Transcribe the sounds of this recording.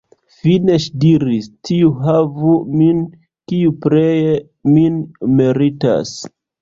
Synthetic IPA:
fine̞ʃdiɾistʰiuɦavumin | kiupɾeje | minmiɾita̰s

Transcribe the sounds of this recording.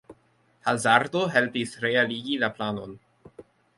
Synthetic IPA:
hazaɾdoɦelpisɾealiɡilaplano̞n

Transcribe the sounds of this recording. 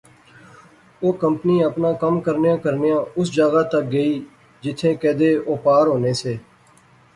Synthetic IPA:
oːkəmpniːəpnãːkəmkəɾnjãːkəɾnejãːʊsd͡ʒaːɡaːt̪ək̚ɡəiː | d͡ʒɪt̪ʰːẽːkɛːd̪eːoːpaːɾɦoːneːseː

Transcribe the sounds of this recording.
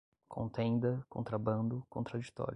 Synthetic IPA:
kʰõ̰nt̪ẽd̪ɐkõ̰nt̪ɾabɐ̃nd̪ʊkõnt̪ɾad͡ʒit̪ɔ̰ɾjʊ

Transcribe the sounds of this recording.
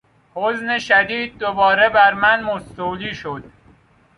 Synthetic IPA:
hozneʃæd̪iːd̪̚ːobɒːɾebæɾmænmost̪oːliːʃod̪̥̚

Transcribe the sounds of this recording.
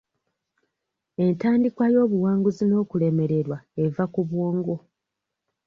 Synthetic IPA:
e̞ntaːndikwajo̞ːβuwaːŋɡuzino̞ːkule̞me̞ɾe̞ɾwae̞vakuβwoːŋɡo̞

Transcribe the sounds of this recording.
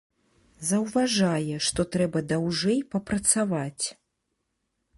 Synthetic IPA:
zɐwvaʐajɛʂt̪ɔt̪ɾɛbɐd̪awʐɛjpɐpɾɐt̪savat͡sʲ

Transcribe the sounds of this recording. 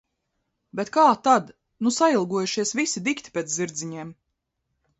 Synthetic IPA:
bet̪kaːt̪ad̪ | nusailˠɡuɔjuʃiɛsvisid̪ikt̪i̥pʲet̪ziɾd̪ziɲiɛm

